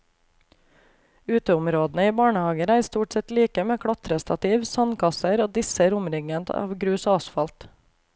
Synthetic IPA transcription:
ʉːt̪əʊmɾoːd̪nəiːbɑːɳəhɑːɡəɾæːɾst̪uːʈsɛt̪liːkəmeːkʰɽɑt̪ɾəst̪ɑt̪ʰiːʋsɑnkʰɑsəɾoːd̪ɪsəɾʊmɾɪŋənt̪ɑ̰ːʋɡɾʉːsɑːsfɑlt̪

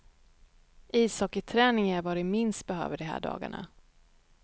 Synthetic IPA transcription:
iːsɑːkət̪ʰɾɛːnɪŋæɾvɑɾɪmɪnst̪̚bɛɦø̰ːvəɖɛɦæ̰ːɖɑ̰ːɡa̰ɳa̰

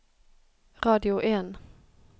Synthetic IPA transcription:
ʁɑːd̪ɪʊʔeːn

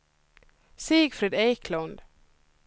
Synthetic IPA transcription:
siːɡfɾɛd̪eːkʰlɔnd̪

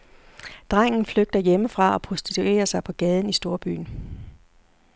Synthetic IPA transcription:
d̥ʁaŋ̰n̩fløɡ̥̚d̥ɐjeməfʁɑ̈ɒ̽pʰʁo̝sd̥it͡sʰue̝̰ːɐsɑ̈ɪpʰɒ̽ɡ̥ɛːð̞ˠn̩isd̥o̝ɐb̥y̰ːn̩

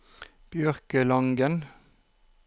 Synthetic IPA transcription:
b̥jœʁkəlɑŋɡən

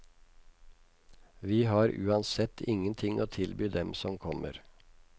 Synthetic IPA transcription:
ʋiːɦɑːɾʉ̰ːɑnsɛt̪ʰɪŋənt̪ʰɪŋʔo̰ːt̪ʰɪlbyːd̪ɛmsɔmkʰɔmə̰ɾ

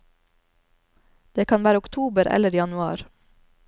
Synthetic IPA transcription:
d̪̥eːkʰɑnʋæːɾəʊkt̪ʰuːbəɾɛ̰ləɾiːjɑnʉɑ̰ːɾ

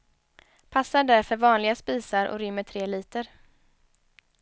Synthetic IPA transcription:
pʰasːaɖæɾfœɾvɑːnlɪɡaspiːsaɾʔɔ̰ɾʏmːəʈʰɾeːliːt̪əɾ

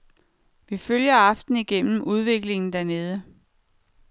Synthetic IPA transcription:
ʋiføljɐɑ̈fd̥n̩iɡ̥en̰m̩uð̞ˠʋe̝ɡ̥le̝ŋn̩d̥æɐne̝ːð̞ˠə

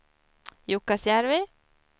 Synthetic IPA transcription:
jʊkːasjæɾʋɪ

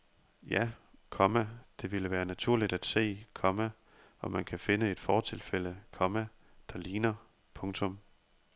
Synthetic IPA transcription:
jækʰɒ̽mæd̥e̝ʋiləʋæːɐnæt͡sʰuɐ̰lid̥æd̥se̝̰ːkʰɒ̽mæ | ɒ̽mːænkʰæfe̝nəe̝d̥fɒːt͡sʰe̝lfeləkʰɒ̽mæ | d̥ɑliːnɐ | pʰɔ̽ŋt͡sʰɔ̽m

